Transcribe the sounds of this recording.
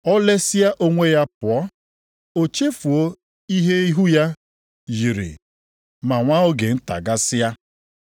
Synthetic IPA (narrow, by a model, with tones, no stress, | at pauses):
ɔ˦le˦sɪ˦ja˦ʔo˦ŋʷe˦ja˦pʊ˨ɔ˦ | o˨t͡ʃe˦fu˨o˦ | i˦ɦe˦i˦ɦu˦ja˦ | ji˨ɾḭ˨ | ma˨ŋʷa˦o˦ɡe˨n̩˦ta̰˨ɡa˦sɪ˦a˦